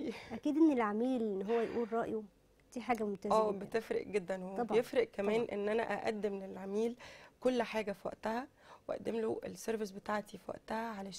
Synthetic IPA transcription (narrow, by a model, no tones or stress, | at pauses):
ʔækiːd̪ʔenːelʕamiːlʔenːɦowːæjʔuːlɾˤɑːʔju | t̪iːħaːɡæmot̪ææːbet̪efɾḛʔɡed̪ːænw̪ɑbejefɾeʔkæmæːnʔḛnːʔænæ̰ʔæ̰ʔæd̪ːemlelʕamiːlkolːħaːɡæfiwæ̰ʔt̪æhæ | weʔæ̰ʔd̪ːemloʔelseɾves̬bet̪aːʕt̪ifwæ̰ʔt̪æhæʕalæʃ